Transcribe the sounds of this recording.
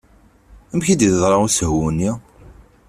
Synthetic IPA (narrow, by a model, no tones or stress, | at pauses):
əmçid̪iðzˤɾˤɑʁusəɦwunːi